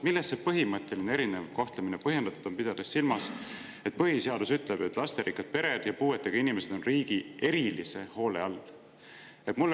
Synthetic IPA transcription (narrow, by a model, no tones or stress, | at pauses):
milːestsepɤɦimɤt̪ːˑe̞lineɾinevko̞ht̪leminepɤɦje̞nd̪ɑt̪ːˑud̪̥o̞mpid̪̥ɑd̪̥essilmɑs | e̞t̪̚pɤɦiseɑd̪usyt̪ˑle̞b̥et̪ːˑlɑst̪e̞ɾikːɑt̪̚pe̞ɾe̞d̪̥jɑpuːe̞t̪ːeɡ̥ɑinimese̞d̥̪o̞nriːɡ̥ie̞ɾilise̞ho̞ːle̞̰ɑlː | et̪mulː